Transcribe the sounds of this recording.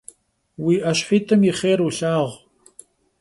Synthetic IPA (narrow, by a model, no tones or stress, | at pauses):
wiːʔɐɕħiːtʰɨmiχeːɾuɬaːʁ